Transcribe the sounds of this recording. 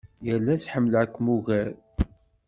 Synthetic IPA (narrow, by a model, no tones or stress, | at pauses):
jəlːæsħəmːlækʷːmuɣæl